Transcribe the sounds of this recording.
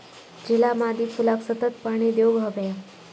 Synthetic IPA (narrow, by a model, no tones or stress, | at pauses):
d͡ʑilamad̪ipulaksət̪ət̪̚paɽ̃id̪joɡɦəbaja